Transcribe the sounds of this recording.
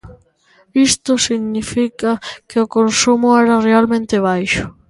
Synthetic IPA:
ist̪ʊsiɣnifikakeʊkonsumʊɛɾarealmẽnt̪eβ̞ajʃʊ̥

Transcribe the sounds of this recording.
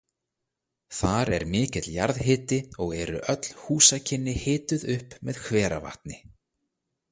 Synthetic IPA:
θaɾɛ̰ɾmɪːcɪt̪lja̰ɾðɦɪːt̪ɪɔɣɛɾʏ̰ʔœt̪l̥huːsacʰɪnːɪhɪːt̪ʏðʏhpmɛðkʰvɛːɾa̰va̰ht̪̚nɪ

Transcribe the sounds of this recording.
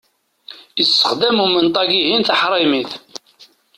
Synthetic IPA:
isːəχd̪æmumənt̪ˤɑɡiɦinθəħɾˤimiθ

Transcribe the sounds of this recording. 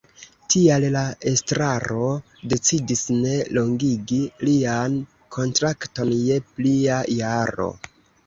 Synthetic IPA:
tiallae̞stɾaɾo̞ | de̞t͡sidisne̞lo̞ŋɡiɡilian | kʰo̞ntɾakto̞nje̞pliajaɾo̞̰

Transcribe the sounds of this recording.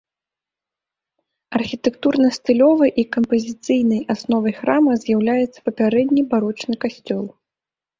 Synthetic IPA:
ɐrxʲit̪ɛkt̪urnɐst̪ɨlʲɔvɐjʔikɐmpɐzʲit̪sɨjn̪ɐjasnɔvɐjxɾamɐzʲjawlʲajɛt̪sːɐ̥pɐpʲaɾɛd̪ʲnʲibaɾɔt͡ʂnɨkasʲt͡sʲɔlˠ

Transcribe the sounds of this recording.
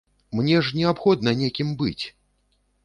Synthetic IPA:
mnʲɛʐnʲɛapxɔd̪̚nɐnʲekʲimbɨt͡sʲ

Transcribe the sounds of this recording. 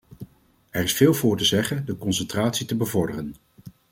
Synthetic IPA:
ɛrɪsfɪːlˠvʊːɹtəzɛχəndəkɔnsəntraːtsitəbəvɔɹdərən

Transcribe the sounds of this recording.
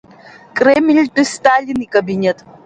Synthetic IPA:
kʼɾemilʲʈɨst̪aːlʲinikʼɐbinʲet̪

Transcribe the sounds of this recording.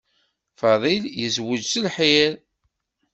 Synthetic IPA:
fɑðˤiljəzwəd͡ʒsəlħil

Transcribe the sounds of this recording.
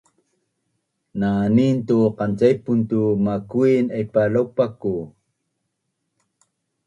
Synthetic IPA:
nanint̪uqant͡sajpunt̪umakuinajpalawpaku

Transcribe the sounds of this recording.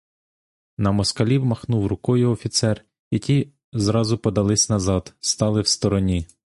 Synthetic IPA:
nɐmɔskɐlʲiwmɐxnuwrʊkɔjʊɔfʲit̪sɛr | jɐkʲi | zɾɑzʊpɔd̪ɐlˠɪsʲnɐzɑd̪st̪ɑlˠɪwst̪ɔɾɔnʲi

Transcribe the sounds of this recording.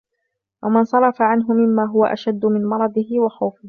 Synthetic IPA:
wʔamɪnsˤɑɾˤɑfaʕanɦʊmɪmːaːɦʊwaʔaʃad̪ːʊmɪnmɑɾˤɑd̪ˤɪhɪwaxawfɪh

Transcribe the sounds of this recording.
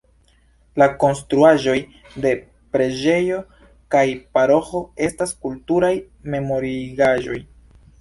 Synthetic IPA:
lako̞nstɾuaʒo̞j | de̞ | pɾe̞d͡ʒe̞jo̞ | kajpaɾo̞xo̞e̞staskultuɾaj | me̞mo̞ɾiɡaʒo̞j

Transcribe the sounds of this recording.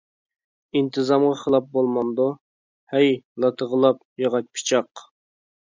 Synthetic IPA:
int̪ʰɨzɑmʁɑχəlˠɑp̚bolˠmɑnd̪u | hɛjlˠɑt̪ʰəʁəlˠɑp | jɑʁɑt͡ʃ̪̚pʰi̥t͡ʃʰɑq

